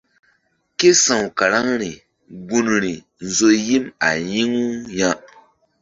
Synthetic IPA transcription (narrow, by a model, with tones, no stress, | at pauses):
ke˦sã˨wka˨ɾa˦ŋɾi˨ | ɡu˦nɾi˨ | n̩˨˦zo˦ji˦ma˨ji˦ŋu˦ja˦